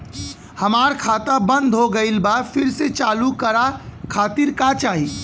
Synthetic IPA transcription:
hɐmaːɾkʰaːt̪abə̃nd̪ʱɦoɡɐɪlbaːpʰɪɾset͡ʃaːlukəɾakʰaːt̪ɪɾkat͡ʃaːɦiː

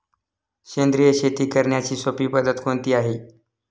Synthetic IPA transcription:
ɕend̪ɾijəɕet̪iːkəɾɳjat͡ɕiːsopiːpəd̪ət̪kʰont̪iːaɦeː

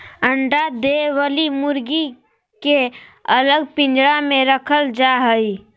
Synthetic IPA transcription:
əɳɖad̪ewəlimʊɾɡi | keələɡ̚pɪ̃ɲd͡ʒɽamẽɾəkʰəld͡ʒaɦəi

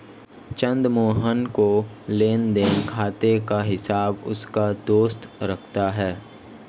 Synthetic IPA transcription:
t͡ʃə̃nd̪moːɦənko | leːnd̪eːnkʰaːt̪ekaɦɪsaːbʊ̰skad̪oːst̪ɾɐkʰt̪aɦɛː

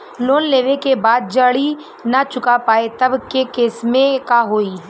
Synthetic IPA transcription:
loːnleːʋekebaːd̪̚d͡ʒɐɽi | nat͡ʃʊkapaːet̪ɐbkekeːsmẽkaɦoːiː

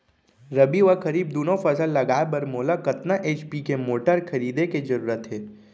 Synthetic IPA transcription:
ɾɐbiʋakɐɾiːb̚d̪oːnõfɐsəlːɐɡaːebɐɾmoːlakɐt̪naʔeːt͡ʃpikemoːʈəɾkʰɐɾiːd̪eked͡ʒɐɾuːɾət̪ɦɛː

